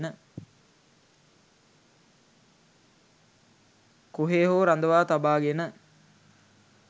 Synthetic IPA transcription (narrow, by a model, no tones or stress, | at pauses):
nə | koɦeːɦoːɾand̪əʋaːt̪abaːɡenə